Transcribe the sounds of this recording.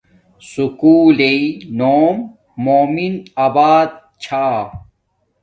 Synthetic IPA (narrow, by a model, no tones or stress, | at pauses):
sukuːleinoːmː | oːminabaːd̪̚ | t͡ɕʰaː